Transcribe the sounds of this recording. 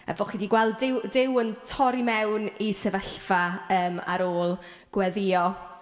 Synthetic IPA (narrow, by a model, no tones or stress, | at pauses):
ɛ̰vɔχidiɡwɛlˠdɪwdɪwəntʰɔɾimɛwnisɛvəɬfaəːma̰ɾoːlˠ | ɡ̥wɛðɪjɔ